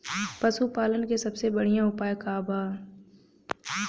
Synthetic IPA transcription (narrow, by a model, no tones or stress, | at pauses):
pɐsupaːlənkesɐbsebɐɽ̤ijãʊpaːjkaːbaː